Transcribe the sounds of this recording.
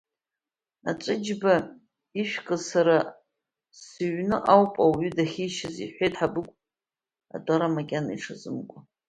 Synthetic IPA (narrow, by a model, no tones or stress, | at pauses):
a̰t͡ʃʷʼɨd͡ʒba | iʃᶣkʼɨzsaɾa | sɨɥnɨʔawpʼawɥʏdaχʲiʃɪzḭħʷejtʰħabɨkʷʼ | a̰dʼaɾamakʲʼanaiʈ͡ʂʰazɨmkʷʼa